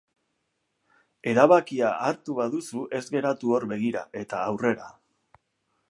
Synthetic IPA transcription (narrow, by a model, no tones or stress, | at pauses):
e̞ɾaβakiaaɾt̪uβaðusuʔe̞zɡe̞ɾat̪uo̞ɾβe̞ɣ̞iɾaʔe̞t̪aːwre̞ɾa